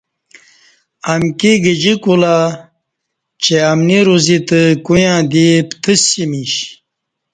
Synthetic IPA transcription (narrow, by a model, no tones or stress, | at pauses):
amkiɡəd͡ʑikula | t͡ɕeamniɾuzit̪əkujãːd̪ipt̪ʰəsimiɕ